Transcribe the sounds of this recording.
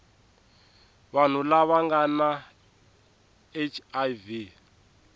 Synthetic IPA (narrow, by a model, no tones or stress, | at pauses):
βan̤ulaβaŋɡana | et͡ʃʰajvi